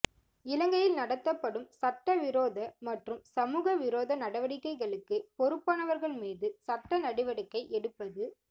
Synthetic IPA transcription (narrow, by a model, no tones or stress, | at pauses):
ɪlɐŋɡɐjɪlnɐɽɐt̪ːɐpːɐɽɯmsɐʈːɐʋɪɾoːðɐmɐʈrɯmsɐmuːɣɐʋɪɾoːðɐnɐɽɐʋɐɽɪkːɐɪɣɐɭɯkːɯpɔɾɯpːaːnɐʋɐɾɣɐɭmiːðɯsɐʈːɐnɐɽɪʋɐɽɪkːɐɪʔɛɽɯpːɐðɯ